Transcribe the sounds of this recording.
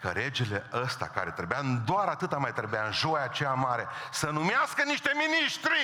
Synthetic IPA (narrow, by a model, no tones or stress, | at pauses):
kə̰ɾe̞d͡ʒe̞le̞ʔəst̪a̰ka̰ɾe̞t̪ɾe̞bead̪oaɾat̪ɨt̪amajt̪ɾe̞bjanʒo̞jat͡ʃeamaɾe̞sənumeaskəniʃt̪e̞miniʃt̪ɾi